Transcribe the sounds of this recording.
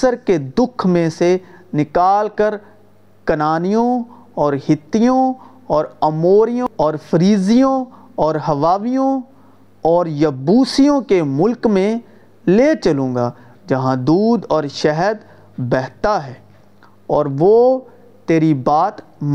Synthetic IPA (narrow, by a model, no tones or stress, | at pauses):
səɾked̪ʊkʰmẽsenɪkaːlkəɾ | kɐnaːnijõ | ɔːɾhɪt̪ːijõ | ɔːɾɐmoːɾijõɔːɾfɾiːzijõ | ɔːɾɦɐʋaːʋijõ | ɔːɾjɐbuːsijõkemʊlkmẽ | leːt͡ʃɐlũːɡaː | d͡ʒɐɦãd̪uːd̪ɔːɾʃɛɦəd̪ | bɛɦt̪aɦɛː | ɔːɾʋo | t̪eːɾibaːt̪ | m